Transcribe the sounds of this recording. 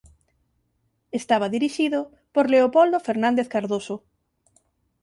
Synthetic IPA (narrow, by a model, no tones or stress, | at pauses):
est̪aβaðiɾiʃiðo | poɾleopold̪ofeɾnãnd̪eθkaɾðoso